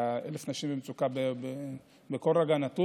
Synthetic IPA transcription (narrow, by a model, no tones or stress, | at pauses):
ḛlefnaʃimbemt͡sukabebe | bekoleɡanat̪u